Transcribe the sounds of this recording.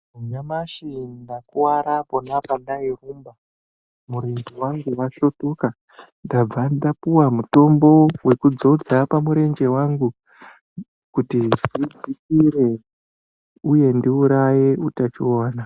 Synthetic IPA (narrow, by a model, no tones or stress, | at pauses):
uɲamaʃindakuwaɾapo̞napandairumba | muɾe̞ɲd͡ʒe̞waŋɡuʋaʃotuka | ndab͡vadapuwamuto̞mbo̞we̞kud͡zo̞d͡zapamuɾe̞nd͡ʒe̞waŋɡu | kutiʐid͡zikiɾe̞ | uje̞ndiuɾaje̞utat͡ʃioːna